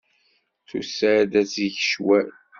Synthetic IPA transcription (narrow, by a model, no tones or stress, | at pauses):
θusad̪æsiʝəʃwæ